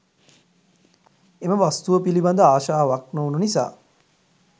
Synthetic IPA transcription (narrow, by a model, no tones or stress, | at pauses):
eməʋast̪uʋəpiliband̪əaːʃaːʋak̚noununisa̰ː